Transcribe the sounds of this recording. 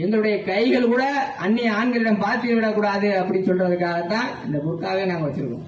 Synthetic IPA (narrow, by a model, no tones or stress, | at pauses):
ɛnd̪ɐɾɯɽɐjɐkɐɪɣɐɭkuːɽɐɐnːɪjaːɳɡɐlɪɽɐmpaːɾt̪ːɯɣɐʋɪɽɐkːuːɽaːðɯɐpːɐɽisɔlrɐðɯkːaːɣɐt̪ːãːɛnd̪ɐkʊɽɯk̪ːaːɣɐnaːŋɡɐʋɐt͡ʃːɪɾɯkːõ̰ː